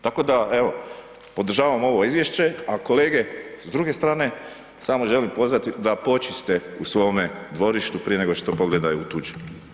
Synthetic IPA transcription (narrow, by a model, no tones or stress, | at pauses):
t̪ako̞d̪aeʋo | po̞d̪r̩ʒaːʋamo̞ʋo̞izʋje̞ʃt͡ɕe̞ako̞le̞ːɡe̞zd̪ɾuːɡe̞st̪ɾaːne̞ | saːmo̞ʒe̞limpo̞zʋat̪id̪apo̞t͡ʃist̪e̞usʋo̞med̪ʋo̞ɾiʃt̪upɾijee̞ɡo̞ʃt̪o̞po̞ɡled̪ajuut̪ud͡ʒu̥